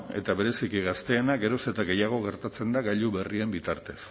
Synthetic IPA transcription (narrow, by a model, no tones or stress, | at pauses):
e̞̰t̪aβe̞ɾe̞sikiɣast̪e̞ːnaɣe̞ɾo̞se̞t̪aɣe̞jaɣ̞o̞ɣe̞ɾt̪at͡se̞nd̪aɣajʎuβe̞rie̞mbit̪aɾt̪e̞s